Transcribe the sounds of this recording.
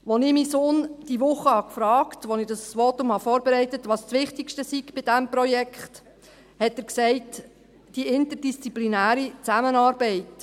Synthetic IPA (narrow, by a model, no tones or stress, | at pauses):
ʋonɪmisoːnd̥iʋʊχːəhɑkfɾɑːktʋonɪd̥ɑsʋotʊmhɑfɔːɾbɛɾɛɪtətʋɑːst͡sʋɪχtikʃtəsiɡb̥ɪdɛmprɔjɛkχt | hɛtəːɾksɛɪt | d̥iʔɪntəɾdist͡siplinæːɾit͡sæmənɑːɾbɛɪt